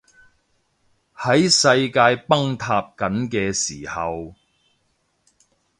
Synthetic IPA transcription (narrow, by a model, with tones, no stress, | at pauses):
hɐ˨˥jsɐ˧jkaː˧jpɐ˥ŋt̪ʰaː˧p̚kɐ˨˥nkɛː˧siː˨˩hɐ˨w